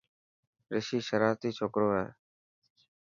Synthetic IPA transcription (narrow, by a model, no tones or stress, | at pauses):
ɾɪʃiːʃəɾaːɾt̪iːt͡ʃʰoːkɾoːɦɛ̰ː